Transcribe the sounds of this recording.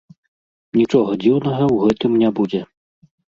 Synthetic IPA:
nʲit͡ʂɔɣɐd͡zʲiwnɐɣɐwɣɛt̪ɨmnʲɛbud͡zʲɛ

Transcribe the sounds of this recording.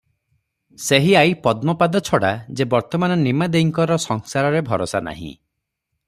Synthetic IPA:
seɦiajpɔd̪mɔpad̪ɔt͡ʃʰɔɽad͡ʒebɔɾt̪ɔmanɔnimad̪eiŋkɔɾɔsɔŋsaɾɔɾebʱɔɾɔsana̰ɦḭ̃

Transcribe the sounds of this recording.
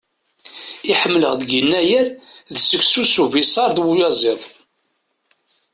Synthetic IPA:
iħəmːlə̰ʁðəɡənːæjəɾðsəçsusuvisˤɑɾˤðwujɑzˤɪðˤ

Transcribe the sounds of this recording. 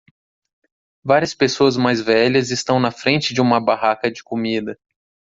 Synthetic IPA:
vaɾiɐspesoɐzmajzvɛʎɐzɪst̪ɐ̃w̃nɐfɾẽnt͡ʃɪd͡ʒɪũmɐbaɦakɐd͡ʒɪkomid̪ɐ

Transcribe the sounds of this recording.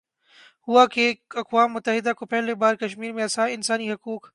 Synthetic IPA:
huakeɐkwaːmːʊt̪ːəɦɪd̪akopɛɦlebaːɾkɐʃmiːɾmẽɐsaːɪnsaːniɦɐkuːk

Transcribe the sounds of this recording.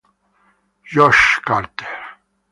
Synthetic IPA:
jɔʃkʼaɾt̪ʼɛ̥ɾ

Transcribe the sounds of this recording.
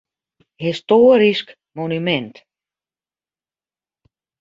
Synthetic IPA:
histoːɾisk | monymɛnt

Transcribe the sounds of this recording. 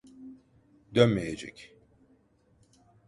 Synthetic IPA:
d̪ønmɛjed͡ʒɛ̰cʲ

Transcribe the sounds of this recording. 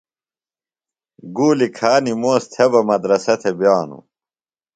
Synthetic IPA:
ɡuːlikʰaːnimoːst̪ʰebɐmɐd̪ɾɐsɐt̪ʰebjaːnṵ

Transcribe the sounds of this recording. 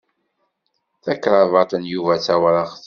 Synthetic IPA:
θækːɾˤɑvɑt̪ˤənjuvæt͡sæwɾɑʁθ

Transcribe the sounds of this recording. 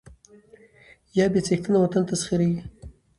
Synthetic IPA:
jɑbet͡sext̪ənawat̪ant̪asχiɾewi

